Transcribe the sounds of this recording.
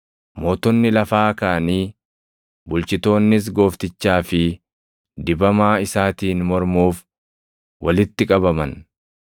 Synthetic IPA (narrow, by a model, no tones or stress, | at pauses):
mo̞ːt̪ɔnːɪlɐfaːkaːniː | bʊlt͡ʃɪt̪o̞ːnːɪs̬ɡo̞ːft̪ɪt͡ʃːaːfɪ | d̪ɪbɐmaːɪsaːt̪iːnmɔɾmuːf | wʔɐlɪt̪ːɪkʼɐbɐmɐn